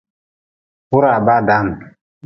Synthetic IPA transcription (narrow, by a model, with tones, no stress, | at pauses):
hu˦ɾa˨ba˦da˦n˨